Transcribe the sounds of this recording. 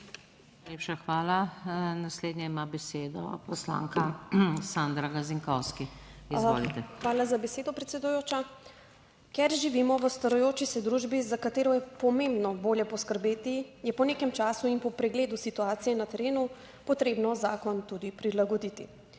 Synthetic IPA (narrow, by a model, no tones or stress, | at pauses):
nnnajleːpʃaxʋaːlanasleːd̪ɲɛimabɛseːd̪ɔ̰pɔslã̰ŋkasand̪ɾaɡaziŋkɔwskiizzoːlit̪ɛxʋaːlazabɛseːd̪ɔpɾɛt̪sɛd̪ujoːt͡ʃa | kɛɾʒiʋimɔʋəst̪ɐɾɔjoːt͡ʃisɛd̪ɾuʒbizakat̪eːɾɔjɛpɔmẽmbnɔboːljɛpɔskəɾbeːt̪ijɛpɔneːkɛmt͡ʃaːsuinpɔpɾɛɡleːd̪usit̪uaːt̪sijɛnat̪ɛɾeːnu | pɔt̪ɾeːbnɔzaːkɔnt̪ud̪ipɾilaɡɔd̪it̪i